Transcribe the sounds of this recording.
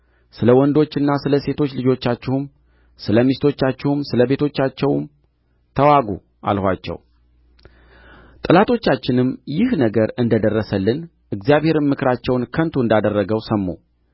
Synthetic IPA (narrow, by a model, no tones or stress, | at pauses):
sɨləwɔnd̪o̞t͡ʃːɨnːasɨləse̞t̪ʰo̞t͡ʃːlɨd͡ʒo̞t͡ʃːat͡ʃːɪhum | sɨləmist̪ʰo̞t͡ʃːat͡ʃːɪhumsɨləβe̞t̪ʰo̞t͡ʃːat͡ʃːɛwm | t̪ʰəwaɡu | ʔa̰lhʷa̰t͡ʃːɛ̰w | t̪ʼɨlat̪ʰo̞t͡ʃːat͡ʃːɪnɨmːjɪhnəɡəɾɨnd̪əd̪ərːəsəlːɨn | ʔɨɡzjaβhe̞ɾɨmːɨkɾat͡ʃːɛwnkʰənt̪ʰuɨnd̪ad̪ərːəɡəwsəmːo̰